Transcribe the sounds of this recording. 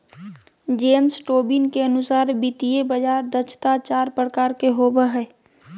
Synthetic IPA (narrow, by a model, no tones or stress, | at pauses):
d͡ʒeːmsʈoːbinkeənʊsaːɾbit̪ijebəd͡ʒaːɾd̪ət͡ʃʰt̪at͡ʃaːɾpɾəkaːɾkeɦobəɦɛː